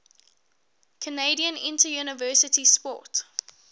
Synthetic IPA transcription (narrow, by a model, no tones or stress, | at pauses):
kʰəneɪdiə̃nɪ̃ntəjunəvɜːˑsətispɔ̰t